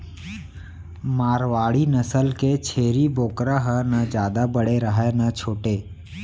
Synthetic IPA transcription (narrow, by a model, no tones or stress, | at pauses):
maːɾʋaːɽinəsəlket͡ʃʰeːɾiboːkɾaɦənad͡ʒjaːd̪abəɽeɾəɦenat͡ʃʰoːʈeː